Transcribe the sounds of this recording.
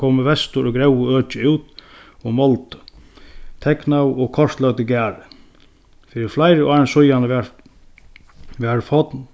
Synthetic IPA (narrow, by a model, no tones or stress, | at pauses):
kʰoːməʋɛst̪ʊɾɔɡɾɛwəøːt͡ʃɪuwt̪ɔɣmɔlt̪ | t̪ʰɛknawɔkʰɔʂt̪lœɣt̪ɪɡæːɾɪ | fiːɾɪɾflajɾɪʔaːɾɪnsʊjanəɛ | ʋɛɾfɔt̪n